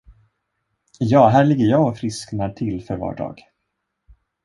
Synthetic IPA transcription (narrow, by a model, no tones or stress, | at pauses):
jɑːɦæːɭɪɡːəɾjɑːɔfɾɪsknaʈʰɪlfœɾvɑ̰ːɖɑ̰ːɡ̥